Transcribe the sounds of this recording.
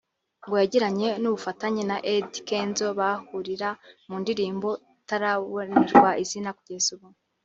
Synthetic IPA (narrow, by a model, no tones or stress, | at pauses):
ŋɡojaɟiɾaɲe̞nuβufataɲenaʔedikeːnzo̞βahuɾiɾamundiɾiːmbo̞ | taɾaβoniɾɡwaʔizinakuɟezuβu